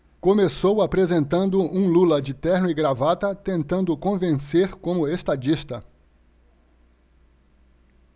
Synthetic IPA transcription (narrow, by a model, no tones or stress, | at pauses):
kõmesowapɾezẽnt̪ɐ̃nd̪ʊũlulɐd͡ʒɪt̪ɛɾnʊɪɡɾavat̪ɐt̪ẽnt̪ɐ̃nd̪ʊkõvẽseɾkõmʊest̪ad͡ʒist̪ɐ